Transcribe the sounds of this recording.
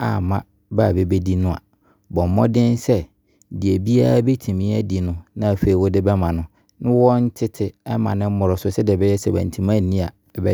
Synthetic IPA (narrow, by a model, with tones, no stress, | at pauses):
a̰˨mã˦ | baː˨be˦be˦di˦nʊ̃˦a̰˨ | bɔ̃˨m˨mɔ̃˦dɪ̃˦nsɛ˦˨ | di˨e˨bi˦a˦ɾa˦be˦tʰĩ˨mĩ˦æ˦di˨nʊ̃˨nã˦a˨fe˨i˨wʊ˦dɪ˦bɛ˦mã˨nʊ̃˦ | nɪ̃˦wɔ˦n̩˦tʰɪ˦tʰɪ˨ɛ˦mã̰˨nɪ̃˦m̩˦mʊ˨ɾɔ˨sʊ˦sɛ˦dɪ˨ɛ˨bɛ˦jɛ˦sɛ˦bæ̰̃˨n̩˨tʰĩ˨mã˦n̩˨nĩ˦a̰˨bɛ˦